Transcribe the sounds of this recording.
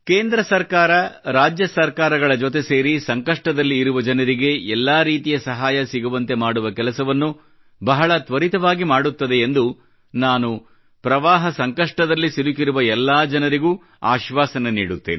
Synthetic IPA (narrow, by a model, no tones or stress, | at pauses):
keːnd̪ɾɐsɐɾkaːɾɐɾaːd͡ʒjɐsɐɾkaːɾɐɡɐɭɐd͡ʒot̪e̞se̞ːɾisɐŋkɐʂʈɐd̪ɐlːiːɾuʋɐd͡ʒɐnɐɾiɡe̞ɛlːaːɾiːt̪ijɐsɐɦaːjɐsiɡuʋɐnt̪e̞maːɽuʋɐkɛlɐsɐʋɐnːu | bɐɦɐɭɐt̪ʋɐɾit̪ɐʋaːɡimaːɽut̪ːɐd̪e̞ːnd̪u | naːnu | pɾɐʋaːɦɐsɐŋkɐʂʈɐd̪ɐlːisilukiɾuʋɐɛlːaːd͡ʒɐnɐɾiɡuː | a̰ːʃʋaːsɐnɐnḭːɽut̪ːe̞̰ːni